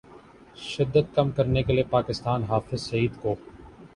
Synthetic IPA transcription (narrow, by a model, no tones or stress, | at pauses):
ʃɪd̪ːət̪̚kɐmkɐɾnekeliepaːkɪst̪aːnɦaːfɪzsɐiːd̪koː